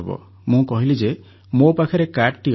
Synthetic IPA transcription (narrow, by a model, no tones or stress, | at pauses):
bɔ̰ | mũkɔɦilid͡ʒe | mopakʰɔɾekaʈʈi